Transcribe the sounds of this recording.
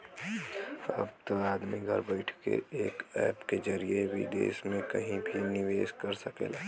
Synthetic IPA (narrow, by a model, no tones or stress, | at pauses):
səbt̪aːd̪miɡʱɐɾbəɪʈʰkḛeːkɛ̰ːpked͡ʒəɾieʋḭd̪ḛːsmẽkɐɦĩbʱinɪʋeːskɐɾsəkḛːlaː